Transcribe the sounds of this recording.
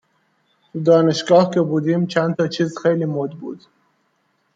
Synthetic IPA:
d̪ɒːne̞ʃɡɒːhcʲʰebuːd̪iːmt͡ʃʰænt̪ʰɒːt͡ʃʰiːzxejliːmod̪bṵːd̪̥

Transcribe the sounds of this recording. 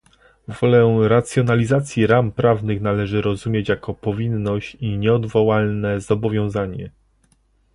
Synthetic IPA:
vɔlɛɾat̪sʲjɔnalʲizat̪sʲjiɾampɾavnɘxnalɛʐɘɾɔzumʲjet͡ɕjakɔpɔvʲinːɔɕt͡ɕiɲɛɔd̪vɔwalnɛzɔbɔvʲjɔ̃w̃zaɲɛ

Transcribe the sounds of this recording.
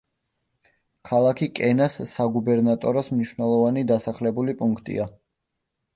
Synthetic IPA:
kʰalˠakʰikʼɛnasːaɡubɛɾnat̪ʼɔɾɔsmniʃwnɛlˠɔvanid̪asaχlɛbulipʼuŋkʰt̪ʼḭa

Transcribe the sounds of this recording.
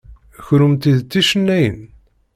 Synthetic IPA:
çɾumt̪iðt͡s̪ːiʃənːæjə̰n

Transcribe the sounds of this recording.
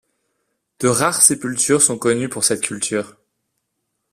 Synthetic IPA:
d̪̥əʁaʁsepylt̪yʁsɔ̃kɔnypuʁsɛt̪kʲylt̪ʰyːʁ

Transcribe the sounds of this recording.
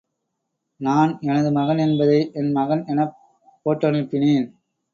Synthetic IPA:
naːnɛnɐðɯmɐɣɐnɛnbɐðɐɪʔɛnmɐɣɐnɛnɐpː | oːʈːɐɳɪpːɪneːn

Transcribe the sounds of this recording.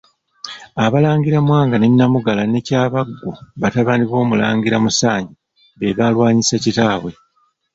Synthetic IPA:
aβalaːŋɡiɾamwaːŋɡanenːamuɡalane̞caːβaɡːuβataβaːndiβo̞ːmula̰ːŋɡiɾamusaːɲɟi | βeβalwaːɲisacitaːβwe̞

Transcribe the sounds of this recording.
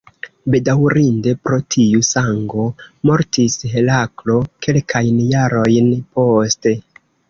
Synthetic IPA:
be̞dawɾinde̞pɾo̞tʰiusaŋɡo̞mo̞ɾtisɦe̞laklo̞ke̞lkʰajnjaɾo̞jnpo̞ste̞

